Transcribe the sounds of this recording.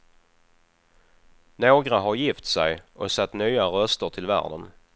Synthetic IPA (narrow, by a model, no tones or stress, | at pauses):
noːɡɾaɦaɾjɪft̪sɛjʔɔsat̪ːnyːaɾœst̪əʈʰɪlvæ̰ːɖən